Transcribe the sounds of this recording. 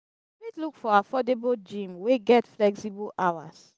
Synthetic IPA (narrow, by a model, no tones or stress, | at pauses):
litlukfɔaafɔdebold͡ʒĩmweɡɛtflɛksibɔlʔawa̰s